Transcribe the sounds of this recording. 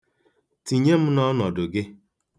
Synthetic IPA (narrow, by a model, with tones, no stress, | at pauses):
ti˨ɲe˦m̩˦nɔ˦nɔ˨dʊ˨ɡɪ˦